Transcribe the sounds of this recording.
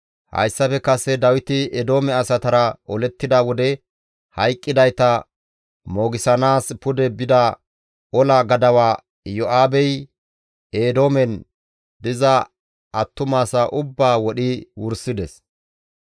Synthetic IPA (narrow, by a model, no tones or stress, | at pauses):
hɐ̰jsːɐfɛkɐsɛd̪ɐwɪt̪ɪɛd̪o̞ːmɛɐsɐt̪ɐɾɐʔɔlɛt̪ːɪd̪ɐwɔd̪ɛ | hɐjkʼːɪd̪ɐjt̪ɐ | mo̞ːɡɪsɐnaːspʊd̪ɛbɪd̪ɐ | ɔlɐɡɐd̪ɐwaː | jɔʔaːbɛj | eːd̪o̞ːmɛn | d̪ɪzɐ | ʔɐt̪ːʊmaːsɐʔʊbːaːwɔɗɪwʊɾsːɪd̪ɛs